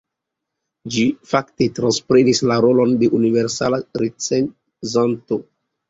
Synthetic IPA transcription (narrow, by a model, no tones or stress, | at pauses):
d͡ʒifakte̞tɾanspɾenislaɾo̞lo̞nde̞ʔuniveɾsa̰laɾet͡sen | zanto